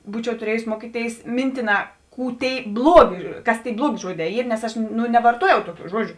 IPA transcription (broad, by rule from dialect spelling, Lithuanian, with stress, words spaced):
ˈbuːt͡ʃʲɛʊ tʊˈrʲiɛjʊs ˈmuɔkʲiːˌtʲeːɪs ˈmʲɪnʲtʲɪˌnɑː ˈkuː ˈtʲeːɪ ˈblˠuɔˌɡʲeː ˈkɐs tʲeːɪ ˈblˠuɔˌɡʲeː ˈʒuɔˌdʲɛː ˈiːr nʲɛs ˈɐʃ nʊ nʲɛʋɐrˈtuɔjɛʊ ˈtʊˌkʲuː ˈʒuɔd͡ʒʲʊ